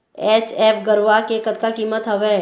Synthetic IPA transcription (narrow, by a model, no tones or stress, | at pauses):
ɛːt͡ʃeːpʰɡəɾʋakekət̪kakiːmət̪ɦɐʋɛː